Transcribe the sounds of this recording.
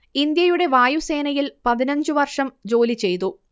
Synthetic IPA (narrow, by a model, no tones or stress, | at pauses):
ind̪jɐjuɽe̞ʋaːjuse̞ːnɐjilpɐðinɐɲd͡ʑɨʋɐrʂɐmd͡ʑo̞ːlit͡ɕe̞jt̪u